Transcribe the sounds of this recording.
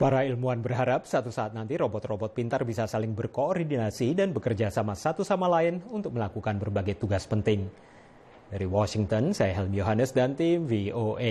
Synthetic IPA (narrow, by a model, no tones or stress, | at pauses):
paɾailmuanbərɦaɾap̚sat̪usaːt̪̚nant̪iɾobɔt̪robɔt̪̚pint̪arbisasalɪŋbərkoɾidinasidanbəkərd͡ʒasamasat̪usamalaɪnunt̪ʊk̚məlakukanbərbaɡajt̪uɡaspənt̪ɪŋ | daɾiwɔsɪŋt̪ɔnsajaɦɛlmjoɦanəsdant̪imvioʔe